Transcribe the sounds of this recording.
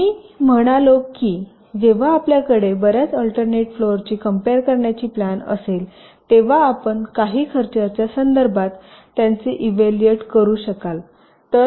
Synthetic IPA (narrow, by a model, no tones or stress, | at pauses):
miːm̤əɽ̃alokːiː | d͡ʑeʋ̤aːpljakəɽebəɾjat͡səlʈəɾneʈfloəɾt͡ɕiːkəmpeɾkəɾɳjat͡ɕiːplanə̰sel | t̪eʋ̤aːpəɳkaɦiːkʰəɾt͡ɕəɾt͡ɕjasənd̪əɾbʱat̪ː | jant͡seʔiʋelieʈkəɾuːɕəkal | t̪ə